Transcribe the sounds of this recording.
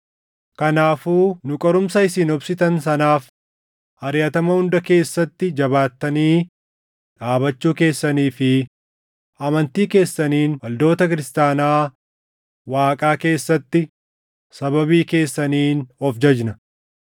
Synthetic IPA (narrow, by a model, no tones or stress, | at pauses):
kɐnaːfuːnʊkʼɔɾʊmsɐɪsiːnɔbsɪt̪ɐnsɐnaːf | ɐɾjɐt̪ɐmɐhʊnd̪ɐke̞ːsːɐt̪ːɪd͡ʒɐβaːt̪ːɐniː | ᶑaːbɐt͡ʃːuːke̞ːsːɐniːfɪ | ɐmɐnt̪iːke̞ːsːɐniːnwɐld̪o̞ːt̪ɐkɪɾɪst̪aːnaː | waːkʼaːke̞ːsːɐt̪ːɪ | sɐbɐbiːke̞ːsːɐniːnɔfd͡ʒɐd͡ʒnɐ